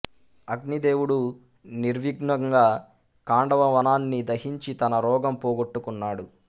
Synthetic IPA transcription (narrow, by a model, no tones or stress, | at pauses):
ɐɡ̚nid̪e̞ːwuɽu | niɾʋiɡɳɐŋɡaː | kaːɳɖɐʋɐʋɐnaːnːid̪ɐɦiɲt͡ʃit̪ɐnɐɾɔːɡɐmpɔːɡoʈːukunːaːɽu